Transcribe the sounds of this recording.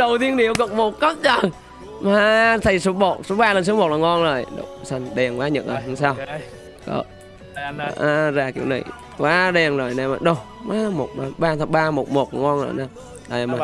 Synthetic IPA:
ɗə˨˩wt̪i˧ənɗi˨əwkə̰˧˨k̚mo˨˩t̚kɔ˦˥t̚t͡ɕə˨˩ŋ | maː˨˧t̪ʰa˨˧˩jso˨˦ɓo˧˨˩t̚so˨˦ɓaː˧lə˨˩nsɨ˨˦mo˨˩t̚laː˨˩ŋɔ˧nzəː˨˩jɗo̰˧˩sa˨˩ŋɗɛ˨˩ŋkwaː˨˦ɲə̰˨t̚ʔəː˨˩hsaː˧w | kɔ̰ː˧˦˨ | ʔaː˧zaː˧˩kḭ˧˩əwna˨˩j | kwaː˨˦ɗɛ˨˩ŋzo˨˩jnaː˧ma˨˩ɗo˧˩wwaː˨˦mo˨˩t̚ma˧˩ɓaː˧t̪ʰa˨˧˦ɓaː˧mo˨˩t̚mo˨˩t̚ːŋɔ˧nzə̰ː˨˩na˧˩ | ɗa˨˩˨ma˨˩

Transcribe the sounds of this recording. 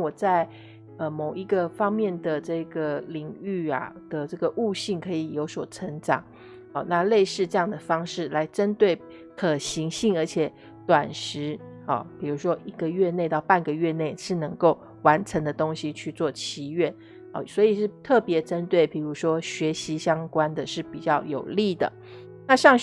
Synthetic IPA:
wɔ˨˩t͡sa˥˩ɪ | ə˧mo˨˩ʊi˧˥ɡə˧fɑ˥ŋmjɛ˥˩nd̪ə˩ʈ͡ʂɤ˥˩ɡə˩li˨˩ŋy˥˩a̰˩d̪̥ə˨˩ʈ͡ʂɤ˥˩ɡə˩ʔu˥˧ɕi˥˩ŋkʰɤ˧˥i˨˩jo˧˥ʊswɔ˨˩ʈ͡ʂʰə˧˥ŋʈ͡ʂɑ˨˩˦ŋ | ɔ˥˧na˥˧le˥˧ɪʂɻ̩˥˧ʈ͡ʂɤ˥˧jɑ˥˩ŋd̪ə˩fɑ˥ŋʂɻ̩˥˩la˧˥ɪʈ͡ʂə˥nt̪we˥˩ɪ | kʰɤ˨˩ɕi˧˥ŋɕi˥˩ŋə˞˧˥t͡ɕʰjɛ˨˩˦ | t̪wa˨˩nʂɻ̩˧˥ɔ̰˥˩pi˨˩ɻu˧˥ʂwɔ˥ʔi˧˥ɡə˨ɥɛ˥˧ne˥˧ɪt̪ɑ˥˧ʊpa˥˩nɡə˩ɥɛ˥˧ne˥˩ɪʂɻ̩˥˩nɤ˧˥ŋko˥˩ʊ | wa˧˥nʈ͡ʂʰɤ˧˥ŋd̪ə˧t̪o˥ŋɕi˨t͡ɕʰy˥˧t͡swɔ˥˩t͡ɕʰi˧˥ɥɛ˥˩n | ɔ̰˥˩swɔ˧˥i˨˩ʂɻ̩˥˩˧t̪ʰɤ˥˩pjɛ˨˧˥ʈ͡ʂə˥nt̪we˥˩ɪpi˨˩ɻu˧˥ʂwɔ˥ɕɥɛ˧˥ɕi˧˥ɕjɑ˥ŋkwa˥nd̪ə˨ʂɻ̩˥˩pi˨˩t͡ɕjɑ˥˩ʊjo̰˨˩ʊli˥˩d̪ə̰˩ | na˥˧ʂɑ˥˧ŋ

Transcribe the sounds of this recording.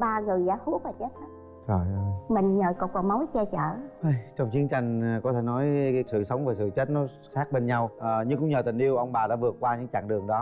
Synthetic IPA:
ɓaː˧ŋɨ˨˩əjzaː˧˩˦xu˦˥ək̚aː˨˩t͡ɕe˦˥t̚ʔa˨˦ | zɔ˨˩jzɔ˨˩mï˨˩ŋ̟ɲəː˨˩kɔ˨˩k̚ɔ˨˧˩mə˨˦wjt͡ɕɛ˧t͡ɕəː˧˨ʔa˧˩jt͡ɕɔ˧wŋ͡mt͡ɕi˨˦ənt͡ɕa˧jŋ̟˨kɔ˨˦t̪ʰe˧˩nɔ˨˦jsɨ̰˧˨sə˨˦wŋ͡mvaː˨˩sɨ̰˧˨t͡ɕe˦˥t̚nɔ˨˦ | saː˦˥k̚ɓe˧nɲa˧wʔɲɨ˧ŋkʊ̰˧˥ŋ͡mɲəː˨˩t̪ï˨˩ŋ̟ʔi˧əwʔə˧wŋ͡mɓaː˨˩ɗa̰ː˧˥vɨ˨˩ət̚kwaː˧ɲɨ̰˧˥ŋt͡ɕa̰ː˧˨ŋɗɨ˨˩əŋɗɔ˨˦

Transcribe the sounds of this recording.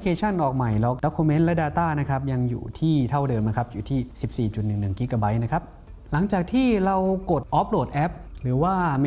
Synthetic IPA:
kʰeː˧t͡ɕʰa˥˩nʔɔː˨˩k̚ma˨˩jlɔ˦˩k̚dɔ˦˥kʰːu˧me˦˥nlɛ˦˥daː˧t̪aː˥˩na˦˥kʰa˦˥p̚ja˧ŋjṵː˨˩t̪ʰiː˥˩t̪ʰa˥˩wdɤː˧mna˦˥kʰa˦˥p̚juː˨˩t̪ʰiː˥˩si˨˩p̚siː˨˩t͡ɕu˨˩t̪̚nɯ˨˩ŋnɯ˨˩ŋkiː˦˥kaː˧ba˦˥jna˦˥kʰa˦˥p̚ | la˩˦ŋt͡ɕaː˨˩k̚t̪ʰiː˥˩ɾa˧wko˨˩t̪̚ʔɔ˦˥p̚ɾoː˨˩t̪̚ʔɛ˦˥p̚ɾɯː˩˦waː˥˩

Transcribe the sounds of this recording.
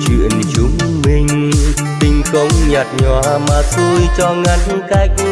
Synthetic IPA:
t͡ɕwḭ˧˨ənt͡ɕʊ˨˧˦ŋ͡m | mï˨˩ŋ̟ | t̪ï˧˩ŋ̟kə˧wŋ͡mɲa˨˩t̚ɲɔ˨˧˩maː˨˩su˧jt͡ɕɔ˧ŋa˧˦jn | kaː˧˦j̚

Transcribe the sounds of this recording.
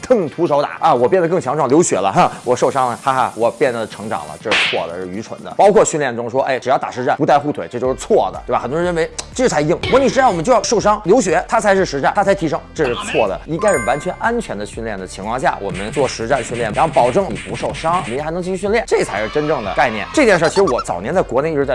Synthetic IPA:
k̪ɤ˥˩ŋt̪ʰu˧˥ʂo˧˥ʊt̪a̰˨˩˦ɐ˧˩wɔ˨˩pjɛ˥˩nd̪kɤ˥˩ŋt͡ɕʰɑ˧˥ŋʈ͡ʂʰwɑ˥˩ljo˧˥ʊɕɥɛ̰˧˥lə̰˧a˧wɔ˨˩ʂo˥˩ʊʂɑ˥ŋlə˧xa˥xa̰˧˩wɔ˨˩pjɛ˥˩nd̪ə˩ʈ͡ʂʰɤ˧˥ŋʈ͡ʂɑ̰˨˩ŋlə̰˦ʈ͡ʂɤ˥˧˩ʂɻ̩˥˩t͡sʰwɔ̰˥˩d̪ə̰˩ʂɻ̩˥˩y˧˥ʈ͡ʂʰwə̰˧˥nd̪ə̰˧pɑ˥ʊkʰwɔ˥˧ɕy˥˧nljɛ˥˩nʈ͡ʂʊ˥ŋʂwɔ˥ʔe˥˩ɪʈ͡ʂɻ̩˨˩ɑ˥˩t̪a˨˩ʂɻ̩˧˥ʈ͡ʂa˥˩npu˧˥t̪a˥˧ɪxu˥˩t̪ʰwe˨˩ɪʈ͡ʂɤ˥˧t͡ɕjo˥˧ʂɻ̩˧t͡sʰwɔ˥˩d̪ə̰˩t̪wa˩xə˩t̪wɔ˥˧ɻə˥n˩e˧˥ɪɤ˥˧ʂɻ̩˥˩t͡sʰa˧˥ɪji˥˩ŋwɔ˧˥ni˨˩ɻ̩˧˥˩wə˦˥t͡ɕo˥˧jʂo˥˩ʊʂɑ˥ŋljo˧˥ʊɕɥɛ˧˥t̪ʰa˥t͡sʰa˧˥ɪʂɻ̩˥˩ʂɻ̩˧˥ʈ͡ʂa˥˩nt̪ʰa˥t͡sʰa˧˥ɪt̪ʰi˧˥ʂɤ˥ŋʈ͡ʂɤ˥˧ʂɻ̩˥˩t͡sʰwɔ˥˩d̪ə̰˩i˥ŋka˥ɪʂɻ̩˥˩wa˧˥nt͡ɕʰɥɛ˧˥nʔa˥nt͡ɕʰɥɛ˧˥nd̪ə˧ɕy˥˧nljɛ˥˩nd̪ə˩t͡ɕʰi˧˥ŋkʰwɑ˥˧ŋɕ̬ja̰˥˩wʔɔ̰˨˩mə˦nt͡swɔ˥˩ʂɻ̩˧˥ʈ͡ʂa˥˧nɕy˥˧nljɛ˥˩na˧˥xpɑ˨˩ʊʈ͡ʂɤ˥˧ŋni˨˩pu˧˥ʂo˥˩ʊʂɑ˥ŋ˨˧˥xnɤ˧˥ŋt͡ɕi˥˧˩y˧ɕ̬y˥˧ljɛ˥˩nʈ͡ʂɤ˥˩ɡə˨t͡sʰa˧˥ɪʂɻ̩˥˧ʈ͡ʂə˥nʈ͡ʂɤ˥˩ŋd̪ə̰˩ka˥˧ɪnjɛ̰˥˩nʈ͡ʂɤ˥˧t̪jɛ˥˧nʂə˥˩t͡ɕʰi˧˥ʂɻ̩˧˥wɔ˧˩t͡sɑ˨˩ʊnjɛ˧˥nt͡sa˥˩ɪkwɔ˧˥ne˥˧ɪi˥ʈ͡ʂɻ̩˧˥t͡sa˥˧

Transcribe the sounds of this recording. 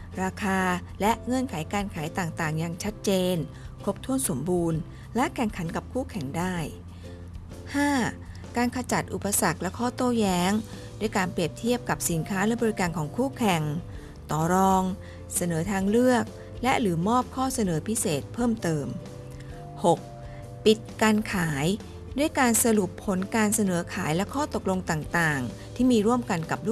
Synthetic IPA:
ɾaː˧kʰaː˧lɛ˦˥ʔŋɤ˧˥˨nkʰa˨˩˦jkaː˧nkʰa˩˦jt̪aː˨˩ŋt̪aː˨˩ŋja˧ŋt͡ɕʰa˦˥t̪̚t͡ɕeː˧n | kʰo˦˥p̚t̪ʰu˥˩ənso˩˦mbuː˧n | lɛ˦˥ʔkʰɛ˨˩ŋkʰa˩˦nka˨˩p̚kʰuː˥˩kʰɛ˨˩ŋdaː˥˩j | haː˥˩ | kaː˧nkʰa˧t͡ɕa˨˩t̪̚ʔu˨˩pːa˧sa˨˩k̚lɛ˦˥kʰɔː˥˩t̪oː˥˩jɛː˦˥ŋ | duː˥˩əjkaː˧npɾi˨˩əp̚t̪ʰi˥˩əp̚ka˨˩p̚si˩˦nkʰaː˦˥lɛ˦˥˩bɔː˧ɾi˦˥kaː˧nkʰɔː˩˦ŋkʰuː˥˩kʰɛ˨˩ŋ | t̪ɔː˨˩ɾɔː˧ŋ | sa˧nɤː˩˦t̪ʰaː˧ŋlɯ˥˩ək̚ | lɛ˦˥ʔɾɯː˩˦mɔː˥˩p̚kʰɔː˥˩sa˧nɤː˨˩˦pʰi˦˥seː˨˩t̪̚pʰɤː˥˩mt̪ɤː˧m | ho˨˩k̚ | pi˨˩t̪̚kaː˧nkʰaː˩˦j | du˥˩jkaː˧nsa˧ɾu˨˩pʰːo˩˦nkaː˧nsa˧nɤː˩˦kʰaː˩˦jlɛ˦˥kʰɔː˥˩t̪o˨˩k̚lo˧ŋt̪aː˨˩ŋt̪aː˨˩ŋ | t̪ʰiː˥˩miː˧ɾu˥˩əmka˧nka˨˩p̚lu˥˩

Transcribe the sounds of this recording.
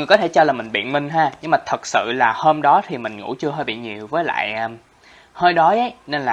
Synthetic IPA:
ŋɨ˨˩əjkɔ˨˦t̪ʰe˧˩t͡ɕɔ˧laː˨˩mï˨˩ŋ̟ɓḭ˧˨ənmï˧ŋ̟ɦaː˧ɲɨ˧ŋmaː˨˩t̪ʰə˨˩t̚sɨ̰˧˨laː˨˩həː˧mɗɔ˨˦t̪ʰi˨˩mï˨˩ŋ̟ŋṵ˧˥t͡ɕɨ˧əɦəː˧jɓḭ˧˨ɲi˨˩əwvəː˨˦jla̰ː˧˨jʔə˧m | həː˧jɗɔ˨˦ʔə˨˦jne˧nlaː˨˩

